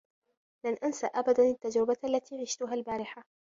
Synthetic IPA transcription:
lanʔansaʔabad̪anat̪ːad͡ʒɾɪbaʔalːat̪iːɾɪʃt̪ʊɦalbaːɾɪħa

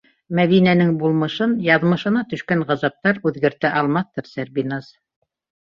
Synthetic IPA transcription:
mæðinænɘŋbulˠmɤ̆ʃɤnjɑðmɤ̆ʃɤ̆nɑt̪ɵ̆ʃkæɴʁɑ̆zɑp̚t̪ɑɾʉðɡɘ̆ɾt̪æʔɑlˠmɑθt̪ɤɾsæɾbinaz

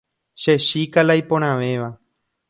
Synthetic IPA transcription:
ʃeʃikalajpõɾ̃ãʋe̞ʋa

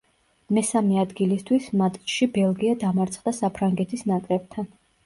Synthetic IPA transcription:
mɛsamɛad̪ɡilist̪ʰwismat̪ʼʃibɛlˠɡiad̪amaɾt̪sʰχd̪asapʰɾaŋɡɛt̪ʰisnakʼlɛb̚t̪ʰan

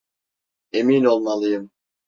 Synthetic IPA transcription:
emino̞lˠmalˠɯjɯm

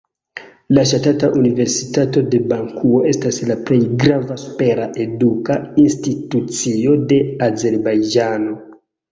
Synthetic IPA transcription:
laʃatataʔunive̞ɾsitato̞de̞baŋkuo̞e̞staslaple̞jɡɾavaspe̞ɾaʔe̞dukainstitut͡sio̞de̞aze̞ɾbajd͡ʒano̞

